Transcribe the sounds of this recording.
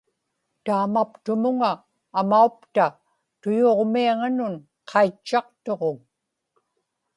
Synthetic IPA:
t̪aːmapt̪ʊmʊŋaː | maupt̪a | t̪ʊjoːʁmiaŋanʊn | qʰɑit͡ʃːɑqt̪o̞ʁoŋ

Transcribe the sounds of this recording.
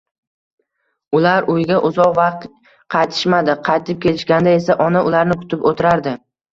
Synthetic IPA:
ʊlaɾʊjɡʲaʔʊzɒʁvɑqt̪ | qʰɑjt̪ʰɪ̥ʃmad̪ɪqʰɑjt̪ʰɪp̚kʲʰe̞lɪʃɡʲand̪ae̞saʔɒnaʊlaɾnɪkʰʊ̥t̪ʰɪpot̪ʰɪɾaɾd̪ɪ

